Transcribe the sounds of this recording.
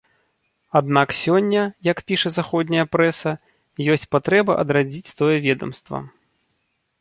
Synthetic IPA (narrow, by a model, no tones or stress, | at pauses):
ad̪naksʲɔnʲːɐjɐkpʲiʂɐzaxɔd̪ʲnʲɐjɐpɾɛsɐ | jɔsʲt͡sʲpat̪ɾɛbɐʔɐ̰d̪ɾad͡zʲit͡sʲt̪ɔjɛvʲɛd̪ɐmst̪vɐ̰